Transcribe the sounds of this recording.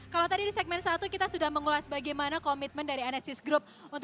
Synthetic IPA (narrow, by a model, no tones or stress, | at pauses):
kalawt̪adidisɛk̚mɛnsat̪ukit̪asudahməŋulasbaɡajmanakɔmit̪̚məndaɾianɛsɪsɡɾʊp̚unt̪